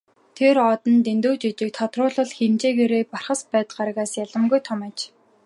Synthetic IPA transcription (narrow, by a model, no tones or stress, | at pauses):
t̪ʰerɔt̪ə̆nt̪ent̪uːt͡ɕit͡ɕɪ̆k̚t̪ʰɔt̪rʊːɮə̆ɮxemt͡ɕeːɣeːɾeːparχə̆spæːt̪ɢaɾə̆ɣaːsjaɮə̆mɡujt̪ʰɔmæːt͡ɕ